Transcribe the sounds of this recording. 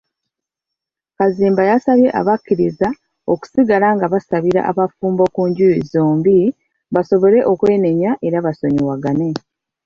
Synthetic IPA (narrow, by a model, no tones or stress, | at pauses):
kaziːmbajasaβje̞ʔa̰βakːiɾiza | oku̥siɡalaŋɡaβasaβiɾa̰ʔa̰βafuːmbo̞kuːɲɟujizoːmbi | βaso̞βo̞ɾe̞ʔo̞kwe̞ːne̞ɲaʔe̞ɾaβaso̞ɲiwaɡane̞